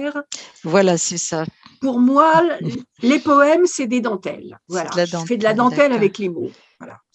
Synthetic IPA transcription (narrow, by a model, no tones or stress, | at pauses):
ʁvwalasɛsapuʁmwa | lepɔɛmsɛd̪ed̪ɑ̃t̪ɛ̰lvwaala̰fɛd̪əlad̪ɑ̃t̪ɛlavɛklemo̰ | vwa̰la̰